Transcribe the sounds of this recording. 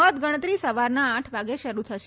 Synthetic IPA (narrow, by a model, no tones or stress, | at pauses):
ət̪ɡəɽ̃ət̪ɾisəʋaɾnaːʈʰʋaɡeʃəɾut̪ʰəʃe